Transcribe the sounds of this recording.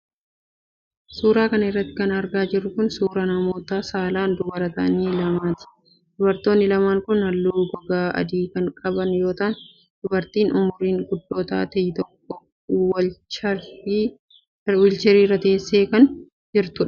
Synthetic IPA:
suːɾaːkɐnɐɪrːɐt̪ːɪ̥kɐnɐɾɡaːd͡ʒɪrːʊkʊnsuːɾɐnɐmo̞ːt̪aːsaːlaːnd̪ʊbɐɾɐt̪ɐniːlɐmaːt̪ɪ̥ | d̪̥ʊbɐɾt̪o̞ːnːɪlɐmaːŋkʊnhɐlːuːɡɔɡaːɐ̰d̪iːkɐŋkʼɐbɐnjo̞ːt̪aːn | d̪̥ʊbɐɾt̪iːnʊmʊɾiːŋɡʊd̪ːoːt̪a̰ːt̪ɐjɪt̪ɔkːɔ | wɐ | wɪlt͡ʃɛɾiːrːɐt̪ɐeːsːe̞ːkɐn | d͡ʒɪɾt̪ʊᶑɐ̥

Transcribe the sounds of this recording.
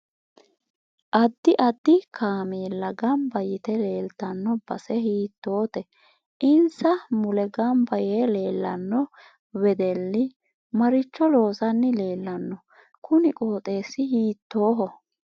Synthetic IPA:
ʔɐd̪ːɪʔɐd̪ːɪkaːmiːlːɐɡɐmbɐjɪt̪ɛle̞ːlt̪ːɐnːɔb̥ɐsɛhiːt̪ːo̞ːt̪ɛ | ʔɪnsɐmʊlɛɡɐmbɐjeːleːlːɐnːɔ | wɛd̪ɛlːɪ | mɐɾɪt͡ʃːɔlo̞ːsɐnːɪle̞ːlːɐnːɔ | kʰʊnɪkʼoːt̪ʼe̞ːsːɪhiːt̪ːo̞ːɦɔ

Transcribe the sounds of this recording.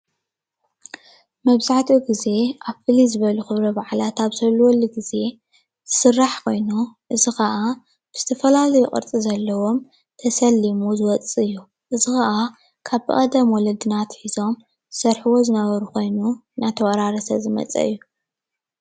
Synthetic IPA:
mɐβzaʕt̪ʰʼuɡize̞ʔaβfɨlizɨβɐluxɨβɾɐbaʕlat̪aβsɐlwɔlːiɡize̞ | z̥ɨsɨrːaħkʰo̞jnuʔɨzixɐʔa | b̥ɨz̥ɨt̪ʰɐfɐlalɐjukʼɨ̰ɾt͡sʼizɐlːɐwo̞m | t̪ʰɐsɐlːimuzɨwɔt͡sʼiɨjːu | ʔɨzixɐʔa | kʰaβkʼɐ̰d̪ɐmwɔlɐd̪ɨnat̪ħizo̞m | zɨsɐɾħɨwo̞zɨnɐβɐɾuko̞jnu | nat̪ʰɐwɐɾaɾɐsɐzɨmɐ̰t͡sʼɐ̰ɨ̰jːu

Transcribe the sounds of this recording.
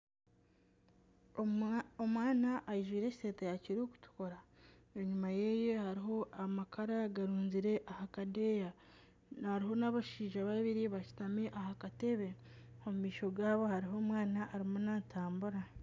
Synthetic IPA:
omwaːnaʔːjiʒwiːɾe̞ːcise̞ːtejaciɾoːku̥tu̥ko̞ɾaeɲumaje̞je̞haɾiɦo̞ʔamakʰaɾaɡaɾuːnziɾe̞ʔahakade̞ja | haɾiɦo̞naβaʃiːʒaβaβiɾiβaci̥tameʔahakate̞βe̞omumiːʃo̞ɡaːβo̞haɾiɦo̞ːmwaːnaʔːɾimonatʰaːmbuɾa

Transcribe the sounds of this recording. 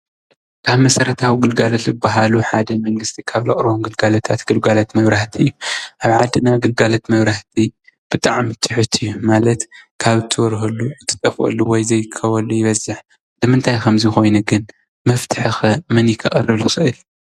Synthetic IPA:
kʰaβmɐsɐɾɐt̪ʰawiɡɨlɡalɐt̪zɨbːaɦaluħad̪ɐmɐŋɡɨst̪ʰikʰaβlɐχʼɾɨβomɡɨlɡalɐt̪ʰat̪ɡ̥ɨlɡalɐt̪mɐβɾaħt̪ʰiɨjːuʔaβʕad̪ɨnaɡɨlɡalɐt̪mɐβɾaht̪ʰi | b̥ɨt̪ʼaʕmit̪ʰɨħɨt̪ʰɨjːumalɐt̪kʰaβɨt̪ʰːɨwɔɾɦɐlːuɨt̪ʰːɨ̥t̪ʼɐfɐ̰lːuwɔjzɐjkʰːɐwɐlːujɪβɐzːɨħ | lɨmɨnt̪ʰajkʰɐmzixo̞jnɐɡɨn | mɐft̪ʰɨ̥ħɨxɨmɨnjɪkʰɨχʼɐrːɨβlɨxɨʔɨl

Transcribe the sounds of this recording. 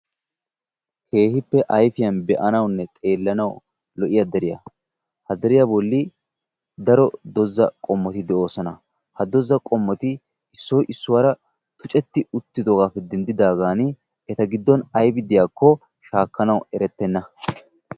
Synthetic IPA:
kʰe̞ːhɪpːɛʔɐjfɪjɐnbɛʔɐnɐwnːɛt̪ʼe̞ːlːɐnɐw | lɔʔɪjɐd̪ɛɾɪjɐ̰ | hɐd̪ɛɾɪjabɔlːɪ | d̪ɐɾɔd̪ɔzːɐkʼɔmːɔt̪ɪd̪ɛʔo̞ːsɔnɐ | hɐd̪ɔzːɐkʼɔmːɔt̪ɪ | ɪsːɔjʔɪsːʊwaɾɐ | t̪ʊt͡ʃʼɛt̪ːɪʊt̪ːɪd̪ɔɡaːfɛd̪ɛnd̪ɪd̪aːɡaːn | ɛt̪ɐɡɪd̪ːɔnɐjbɪd̪ɪjaːkːɔ | ʃaːkːɐnɐwɛɾɛt̪ːɛnːɐ

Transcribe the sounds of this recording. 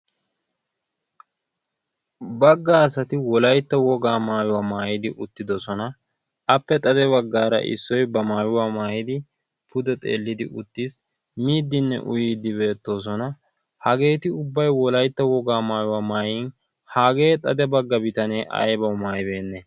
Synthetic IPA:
bɐɡːaːsɐt̪ɪwɔlɐjt̪ːɐwɔɡaːmaːjʊwaːmaːjɪd̪ɪʔʊt̪ːɪd̪ɔsɔnɐ | ɐpːɛt̪ʼɐd̪ɛβɐɡːaːɾɐ̰ʔɪ̰sːɔjbɐmaːjʊwaːmaːjɪd̪ɪ | pʊd̪ɛt̪ʼe̞̰ːlːɪd̪ɪ̰ʔʊt̪ːis | miːd̪ːɪnːɛ̰ʔʊjiːd̪ːɪbe̞ːt̪ːo̞ːs̬ɔnɐ | hɐɡe̞ːt̪ɪʊbːɐjwɔlɐjt̪ːɐwɔɡaːmaːjʊwaːmaːjɪn | haːɡe̞ːt̪ʼɐd̪ɛbɐɡːɐbɪt̪ɐneːʔɐ̰jbɐwmaːjbe̞ːnːɛ

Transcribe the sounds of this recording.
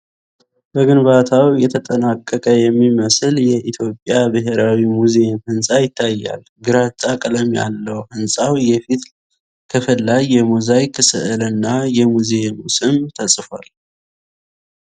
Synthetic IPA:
b̥əɡɨnbat̪ʰawjɛt̪ʰət̪ʼənakʼːəkʼəjɛmːiməsɨljɛʔit̪ʰjo̞pʼːjabɨɦeɾawimuzemhɨnsʼajɪt̪ʰːajːa̰l | ɡɨɾat͡ʃʼakʼləmja̰lːəwhɨnsʼawjɛfit̪ | kʰəfəlːad͡ʒjɛmuzajkʰːɨsɨ̰ʔɨlɨnːajɛmuzemusɨmt̪ʰəsʼfal

